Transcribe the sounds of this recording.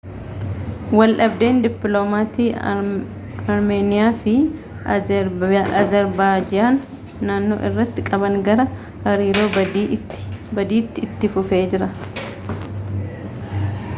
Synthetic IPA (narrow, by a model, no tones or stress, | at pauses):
wɐlʔɐbd̪e̞ːnd̪ɪpːloːmaːt̪iː | ɐɾme̞ːnɪjaːfɪ | ɐzɐɾbaːd͡ʒɪjaːnː | aːnːo̞̰ːʔɪrːɐt̪ːɪkʼɐbɐŋɡɐɾɐ | hɐɾiːɾo̞ː | bɐd̪iːt̪ːɪt̪ːɪfʊfe̞ːd͡ʒɪɾɐ